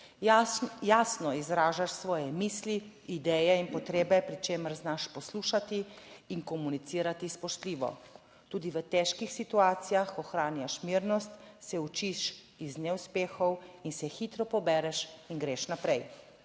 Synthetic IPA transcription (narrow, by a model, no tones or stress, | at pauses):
jaːsnɔizɾaːʒaʃsʋɔːjɛmiːsliid̪ɛːjɛinpɔt̪ɾeːbɛpɾit͡ʃeːməɾznaʃpɔsluːʃat̪iːŋkɔmunit̪siːɾat̪ispɔʃt̪liːʋɔ̰ | t̪uːd̪iʋət̪ɛʃkixsit̪uaːt̪sijaxɔxɾaːnjaʃmiɾnɔst̪sɛut͡ʃiʃ | iznɛuspeːxɔwinsɛxit̪ɾɔpɔbɛːɾɛʃinɡɾeʃnapɾɛj